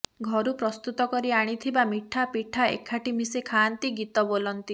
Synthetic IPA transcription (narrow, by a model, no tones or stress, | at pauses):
ɡʱɔɾupɾɔst̪ut̪ɔkɔɾiaɽ̃it̪ʰibamiʈʰapiʈʰaḛkʰːaʈimisekʰant̪iɡit̪ɔbolɔnt̪i